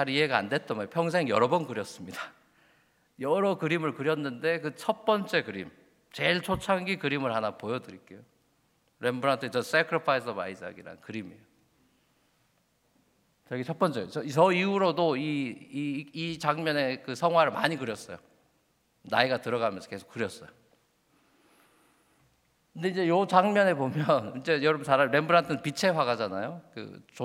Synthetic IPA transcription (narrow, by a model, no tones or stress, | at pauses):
t͡ɕʰaɾieɡaa̰nde̞t̚t͈ampʰjʌŋs̬ʰe̞ŋjʌɾʌbʌnkɯɾjʌs͈ɯmɲida | jʌɾʌkɯɾimɯɭkɯɾjʌnːɯnde̞kɯt͡ɕʰʌt̚p͈ʌnt͡ɕ͈e̞kɯɾḭm | t͡ɕe̞ɭt͡ɕʰot͡ɕʰaŋɡikɯɾimɯɭhanapojʌdɯɾik͈e̞jo | ɾe̞mbɯɾantʰɯt͡ɕʌs͈ekʰɯɾipʰais̬ʰʌba̰isa̰ɡiɾa̰nkɯɾimḛjo | t͡ɕʌɡit͡ɕʰʌp͈ʌnt͡ɕ͈ʌʌisʌiuɾodoi | it͡ɕaŋmjʌne̞kɯsʰʌŋɦwaɾɯɭma̰ɲikɯɾjʌs͈ʌjo | na̰iɡatɯɾʌɣamjʌnsʰʌke̞sʰo̥k͈ːɯɾjʌs͈ʌjo | kɯnde̞ind͡ʑe̞jot͡ɕaŋmjʌne̞bomjʌnind͡ʑe̞jʌɾʌmsʰaɾaiɾe̞mbɯɾantʰɯnɯnpit͡ɕʰe̞waɡad͡ʑanajokɯ̰t͡ɕo